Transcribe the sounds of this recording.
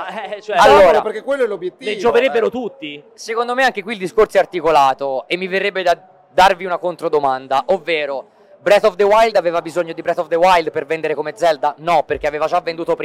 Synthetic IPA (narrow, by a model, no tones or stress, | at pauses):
ɛt͡ʃoɛalːoːɾapeɾkekːwelːoɛlːobːjet̪ːied͡ʒoveɾebːeɾot̪ut̪ːi | sekond̪omeaŋk̟ekwiːld̪iskoɾtsɛart̪ikolaːt̪oemːiverːebːed̪a | d̪ːarviunakont̪ɾod̪omand̪aʔovːeːɾo | bɾɛt̪ɔfd̪ewajld̪avɛːvabizoɲːod̪ibɾɛt̪ɔfd̪ewajld̪̚pervɛnd̪eɾekomed̪zɛld̪anɔpːerk̟eaveːvad͡ʒavːend̪uːt̪opɾ